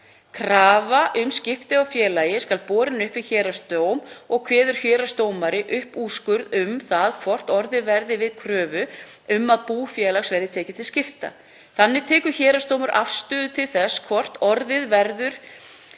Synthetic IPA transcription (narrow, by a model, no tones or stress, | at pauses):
kʰɾaːvaʔʏmscɪft̪ɪawfjɛːlajɪskalpɔːɾɪnʏhpvɪðçɛːɾast̪oːwmɔɣkʰvɛːðʏɾ̥çœːɾast̪oːwmaɾɪʔʏhpuːskʏɾðʏmθaðkʰvɔr̥t̪ɔɾðɪðvɛɾðɪvɪðkʰɾœːvʏ | ʏmːaðpuːfjɛːlaɣsvɛɾðɪt̪ʰɛːcɪt̪ʰɪlscɪft̪a̰ | θanːɪt̪ʰɛːkʏ̥çɛːɾast̪oːwmʏɾʔafst̪ʏːðʏt̪ʰɪlθɛsːkʰvɔr̥t̪ɔɾðɪðvɛɾðʏɾ̥